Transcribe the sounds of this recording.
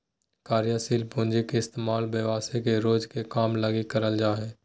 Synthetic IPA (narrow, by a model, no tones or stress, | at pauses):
kaːɾjaːsiːlbʊ̃nd͡ʒekeɪst̪eːmaːlbeʋaːsekeɾoːd͡ʒkekaːmlaɡikəɾəld͡ʒaːɦɛː